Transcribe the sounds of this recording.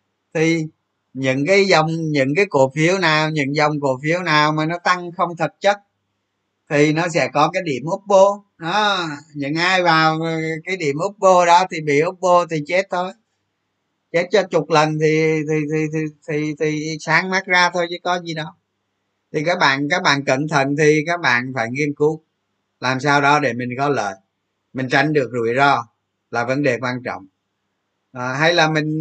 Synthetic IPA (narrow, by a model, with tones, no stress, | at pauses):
t̪ʰi˨˩ | ɲɨ̰˧˥ŋkaː˨˦jzə˨˩wŋ͡mɲɨ̰˧˥ŋkaː˨˦jku˧˩əfi˨˦əwnaː˨˩wɲɨ̰˧˥ŋzə˨˩wŋ͡mku˧˩əfi˨˦əwnaː˨˩wmaː˨˩nɔ˨˦t̪a˧ŋxə˧wŋ͡mt̪ʰə˨˩t̚t͡ɕə˦˥t̚ | t̪ʰi˨˩nɔ˨˦sɛ̰˧˥kɔ˨˦kaː˨˦jɗi˧˩˨əmʔʊ˦˥k͡p̚ɓo˧ | nɔ˨˦ɲɨ̰˧˥ŋʔaː˧jvaː˨˩wkaː˨˦jɗḭ˧˩əmʔʊ˦˥k͡p̚ɓo˧ɗɔ˨˦t̪ʰi˨˩ɓḭ˧˨ʔʊ˦˥k͡p̚ɓo˧t̪ʰi˨˩t͡ɕɛ˦˥t̚t̪o˨˦j | t͡ɕe˦˥t̚t͡ɕɔ˨˧˦t͡ɕʊ˨˩k͡p̚lə˨˩nt̪ʰi˨˩t̪ʰi˨˩t̪ʰi˨˩t̪i˨˩t̪ʰi˨˩t̪ʰi˨˩saː˨˦ŋmaː˦˥t̚zaː˧t̪ʰo˧jt͡ɕɨ˨˦jkɔ˨˦zi˨˩ɗɔ˨˦ | t̪ʰi˨˩kaː˦˥k̚ɓa̰ː˧˨nkaː˦˥k̚ɓa̰ː˧˨nkə̰˧˨nt̪ʰə̰˧˨nt̪ʰi˨˩kaː˦˥k̚ɓa̰ː˧˨nfaː˧˩jŋi˧ənku˨˦ | laː˨˩msaː˧wɗɔ˨˦ɗe˧˩mï˨˩ŋ̟kɔ˨˦ləː˧˨˩j | mï˨˩ŋ̟t͡ɕa˧jŋ̟ɗɨ˨˩ək̚zu˧˩əjzɔ˧ | laː˨˩və˨˦nɗe˨˩kwaː˧nt͡ɕɔ̰˧˨wŋ͡m | ʔːɦa˧jlaː˨˩mï˨˩ŋ̟